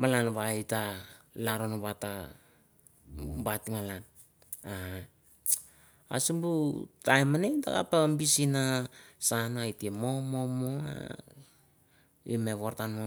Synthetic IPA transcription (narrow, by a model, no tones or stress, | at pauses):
malanβaitalaɾonoβata | batimalan | a | a̰sumbutajmaneda̰ɡa̰pambisinasanaitiemo̞momoa̰ | ḭmeβoɾtanmo